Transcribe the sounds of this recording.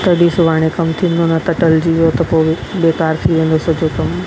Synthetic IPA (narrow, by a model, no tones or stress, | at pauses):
t̪ɐɖisʊʋaːɽ̃ẽkɐmt̪ʰĩn̆d̪onɐt̪ɐʈəld͡ʑiʋjot̪ɐpobeːkaːɾt̪ʰiʋẽːnd̪osɐd͡ʑokɐm